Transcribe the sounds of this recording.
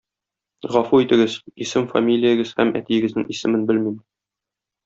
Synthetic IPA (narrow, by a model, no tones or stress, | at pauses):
ʁɒfuit̪ɘ̆ɡɘzisɘmfa̰mʲilʲijəɡɘz̥hæ̰mæ̰t̪ijɘ̆ɡɘ̆znɘŋʔisɘ̆mɘnbɘlmim